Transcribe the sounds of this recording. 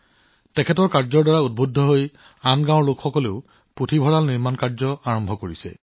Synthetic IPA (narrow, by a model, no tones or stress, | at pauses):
tɛkʰɛtɔɹkaɹzɔɹdaɹaud̚bʱudʱːɔɦoj | anɡãɔɹlokxɔkɔleʊ | potʰibʱɔɹalniɹmankaɹzɔaɹɔmbʱɔkoɹisɛ̰